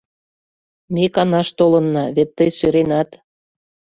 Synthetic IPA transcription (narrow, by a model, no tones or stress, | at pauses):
mekɑnɑʃt̪olɤ̆nːɑβet̪ːəjsøɾenɑt̪